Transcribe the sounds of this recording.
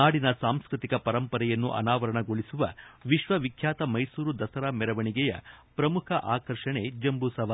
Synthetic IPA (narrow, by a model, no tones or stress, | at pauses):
aːɽinɐsaːmskɾit̪ikɐpɐɾɐmpɐɾɛjɐnːṵʔɐ̰naːʋɐɾɐɳɐɡoɭisuʋɐʋiʃʋɐʋikʰjaːt̪ɐmɐjsuːɾud̪ɐsɐɾaːmɛɾɐʋɐɳiɡɛjɐ̰pɾɐmukʰɐʔaːkɐɾʂɐɳed͡ʒɐmbusɐʋa